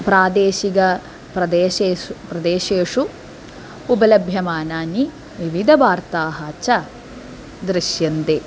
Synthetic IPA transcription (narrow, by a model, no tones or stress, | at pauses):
pɾaːd̪eːʃiɡɐ | pɾɐd̪eːʃeupɾɐd̪eːʃeːʂu | ubɐlɐbʱjɐmaːnaːni | ʋiʋid̪ʱɐʋaːɾt̪aːɦɐt͡ʃɐ | d̪ɾiʃjɐnd̪eː